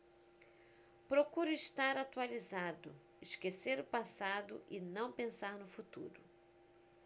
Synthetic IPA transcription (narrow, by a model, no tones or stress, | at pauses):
pɾokuɾʊiʃt̪aɾat̪ualizad̪ʊ̰ | ɪʃkeseɾʊpasad̪ʊ̰ʔɪnɐ̃w̃pẽsaɾnʊfut̪ṵɾʊ